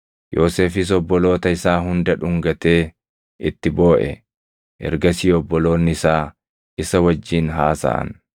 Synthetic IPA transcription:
jʔoːseːfɪs̬ɔbːɔlo̞ːt̪ɐɪsaːɦʊnd̪ɐᶑʊŋɡɐt̪e̞ː | ɪt̪ːɪbo̞ːʔɛ̰ | ʔɛ̰ɾɡɐsiːɔbːɔlo̞ːnːɪɪsaː | ɪsɐwɐd͡ʒːiːnɦaːsɐ̰ʔɐ̰n

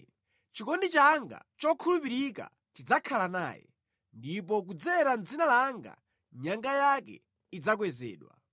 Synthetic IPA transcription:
t͡ʃikɔndit͡ʃaŋɡa̰t͡ʃɔkʰulupiɾika̰ | t͡ʃid͡zakʰalana̰ːjɛ̰ | ndipɔk̬ud͡zɛɾand͡zinalaŋɡa̰ | ɲaŋɡajakɛ̰ | id͡zak̬wɛzɛ̰ːɗwa̰

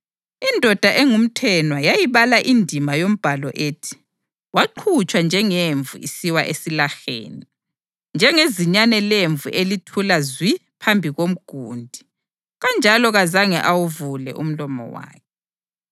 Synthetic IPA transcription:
indʱɔd̥ʱaʔeŋum̩tʰɛnwajajiβalaʔindʱimajom̩b̥ʱalɔʔeːtʰi̥ | waǃʰut͡ʃʼwand͡ʒʱɛŋeɱvṵʔisiwaʔesilaxḛːni | nd͡ʒʱɛŋeziɲanɛleɱvṵʔelitʰulazwipʰambʱiɣom̩ɡ̥ʱuːndʱi | ɣand͡ʒʱalɔɣazaŋɛʔawuvulɛ̰ʔṵm̩lɔmɔ̰wa̰ːkʰɛ

